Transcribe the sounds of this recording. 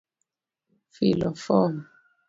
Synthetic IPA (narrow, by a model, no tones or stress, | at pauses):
filɔfɔm